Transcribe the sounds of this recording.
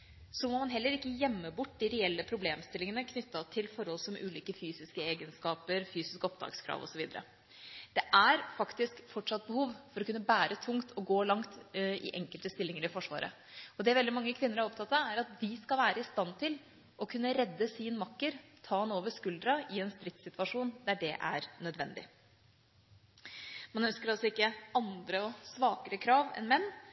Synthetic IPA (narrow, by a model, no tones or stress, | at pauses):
sɔmɔmɑnɦɛlːəɾɪkːəjɛmːəbʊʈːd̪ɪɾɛɛlːəpʰɾʊbleːmst̪ɪlɪŋənəkʰnʏt̪ːɑt̪ʰɪlfɔɾhɔlsɔmʔʉ̰ːliːkəfyːsɪskəeːɡənskɑːpəɾfyːsɪskəɔp̚d̪ɑ̰ːɡskʰɾɑ̰ːʋɔ̰sɔʋiːd̪əɾə̰ | d̪̥ɛʔæɾfɑkt̪ɪskfɔʈʂɑt̪̚ːbəhuːʋfɔɾɔkʉnːəbæːɾət̪ʰʊŋt̪ʰɔɡoːlɑŋt̪ɪ̰ʔɛŋkəlt̪əst̪ɪlːɪŋəɾɪfɔʂʋɑ̰ːɾʔə̰ | ɔd̪ɛʋɛld̪ɪmɑŋːəkʰʋɪnːəɾhɑɾɔpt̪ʰɑt̪ːɑæɾɑt̪̚d̪ɪskɑlʋæːɾəɪst̪ɑnt̪ʰɪl | ʔɔkʰʉnːəɾɛd̪ːəsɪnmɑkːəɾt̪ʰɑːɑnoːʋəʂkʉld̪ɾɑʔɪɛnst̪ɾɪt̪sɪt̪ʉɑʂuːnd̪æɖɛʔæ̰ɾnœd̪ʋɛnd̪ɪ̰ | mɑnœnskəɾɑlsɔɪkːəɑnd̪ɾəɔsʋɑːkəɾəkʰɾɑːʋɛ̰nmɛnː